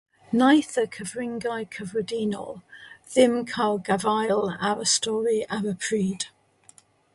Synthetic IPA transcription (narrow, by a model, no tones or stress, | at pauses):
najθəkʰəvɹɪ̃ŋɡajkʰəvɹədiːnɔ̰lˠðɪmkʰalˠɡavajlˠa̰wəstɔːɹiawəpʰɹ̥iːd̥